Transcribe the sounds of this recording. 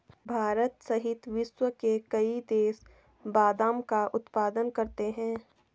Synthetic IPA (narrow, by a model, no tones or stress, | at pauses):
bʱaːɾət̪sɐɦɪt̪ʋɪʃwəkekɐid̪eːs | baːd̪ãːmkaʔʊt̪paːd̪ənkɐɾt̪eɦɛ̃ː